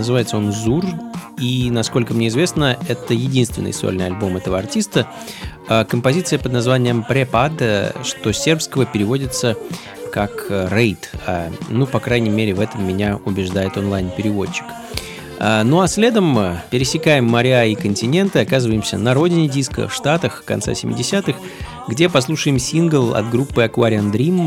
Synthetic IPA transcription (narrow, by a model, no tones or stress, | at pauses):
nəzɨvajɪt̪səo̞nzurinɐsko̞lʲkəmnʲe̞ɪzvʲe̞snəɛt̪əjɪdʲinst̪vʲɪnɨ̰sa̰lʲnɨjɐlʲbo̞mɛt̪əvəɐrtʲist̪ə | akəmpɐzʲit̪sɨjəpəd̪nɐzvanʲɪjəmpɾʲepad̪əʂt̪o̞sʲe̞rpskəvəpʲɪɾʲɪvo̞dʲɪt̪sə | kakrejt̪a̰nupɐkɾajnʲɪjmʲeɾʲɪvɛt̪əmːʲɪnʲaʊbʲɪʐd̪ajɪt̪o̞nlˠajnpʲɪɾʲɪvo̞t͡ɕːɪ̥k | anuɐsʲlʲe̞d̪əmpʲɪɾʲɪsʲɪkajɪmːɐɾʲɪaikənʲtʲɪnʲe̞nt̪ɨɐkazɨvəjɪmsʲə̰nɐɾo̞dʲɪnʲɪdʲiskə̰fʂt̪at̪əxkɐ̰nt̪sa̰sʲɪmʲɪ̰dʲɪsʲat̪ɨx | ɡdʲe̞pɐs̬lˠuʂɨjɪmsʲinɡəlˠɐ̰d̪ɡɾupːɨɐkvaɾʲɪand̪ɾʲim